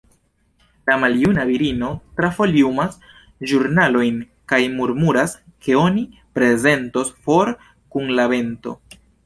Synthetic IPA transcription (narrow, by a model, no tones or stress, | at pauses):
lamaljunaviɾino̞tɾafo̞liumas | ʒuɾnalo̞jn | kajmuɾmuɾaske̞o̞nipɾe̞ze̞nto̞sfo̞ɾ | kunlabe̞nto̞̰